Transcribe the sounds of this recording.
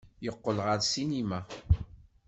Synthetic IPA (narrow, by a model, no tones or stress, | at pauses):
jəqːəlʁəɾsinima